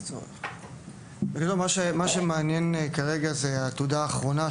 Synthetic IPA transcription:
o̰ḛχ | beɡadomaʃemaʃemeanjenkaʁeɡazeat̪ud̪aːχʁo̞na

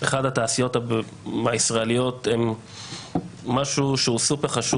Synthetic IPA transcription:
eχad̪hat̪aːsijo̞ta | maisʁaelijo̞te̞m | aʃuʃeusupeʁχaʃu

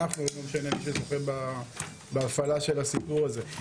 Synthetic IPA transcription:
aχnumemʃanemiʃ̬ezoχeba | beːfalaʃe̞lasipuʁaze̞

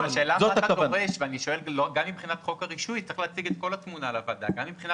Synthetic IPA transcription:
aʃeːlazoaaadoʁeʃveaniʃo̞e̞lloɡamːibχinat̪χo̞kaʁiʃujtt͡seeχleat͡siɡet̪ko̞lat̪munalavad̪a̰ɡamːibχina

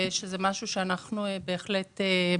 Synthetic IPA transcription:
ʃezemaʃuʃeanaχnuebeːχlete

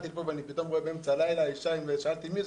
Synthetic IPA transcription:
t̪ilpoveanipit̪o̞mʁoebeemt͡salajlaːiʃaimveʃaalt̪imiz

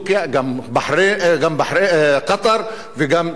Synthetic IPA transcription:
kjæɡæmbaħɾeɡæmbaħɾeːqɑt̪ˤɑɾˤ | fiɡæm

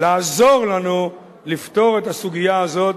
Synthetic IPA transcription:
laːzo̞ʁlanu | lift̪o̞ʁe̞t̪asuɡijaazo̞t̪

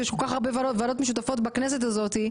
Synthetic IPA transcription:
jeʃko̞lkaχaʁbevavalo̞t̪meʃut̪afo̞t̪baknes̬e̞t̪azo̞t̪i

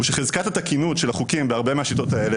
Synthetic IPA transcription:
uʃeχezkathatakinutʃelaχukimbeaʁbemeaʃito̞taele

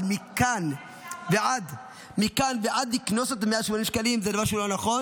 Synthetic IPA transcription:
mikan | veʔad̪ | mikanveʔad̪iknoset̪̬meaʃmonimʃkalimzedavaʁʃeulonaχo̞n

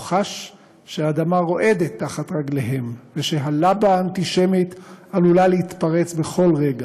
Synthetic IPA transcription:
χaʃː | eaːd̪amaʁo̞ʔe̞d̪et̪ːaχat̪ʁaɡleɦe̞mveʃe̞ɦalabaːnt̪iʃe̞mit̪alulaleit̪paʁe̞t͡sbe̞χo̞lʁe̞ɡa

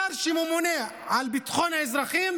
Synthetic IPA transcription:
aɾˤʃimʊmʊne | ʕalbɪt̪xoːnaɪzɾˤɑxiːm

